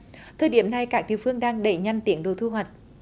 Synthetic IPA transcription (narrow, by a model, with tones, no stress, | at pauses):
t̪ʰəː˨˩jɗi˧˩əmna˧jkaː˦˥k̚ɗḭ˧˨əwfɨ˧əŋɗaː˧ŋɗə˧˩jɲa˧jŋ̟t̪i˨˦əŋɗo̰˧˨˦t̪ʰu˧ɦwa˨˩jt̚